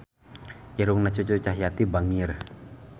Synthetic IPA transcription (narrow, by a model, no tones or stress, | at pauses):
ʔɛɾʊŋnat͡ʃut͡ʃot͡ʃaɦjat̪ibaŋir